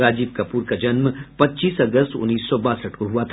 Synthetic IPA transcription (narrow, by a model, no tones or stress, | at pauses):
ɾaːd͡ʒiːbkapuːɾkad͡ʒɐnmpɐtːt͡ʃiːsɐɡəst̪ʊ̰nːiːsːɔbaːsəʈkoɦuat̪ʰ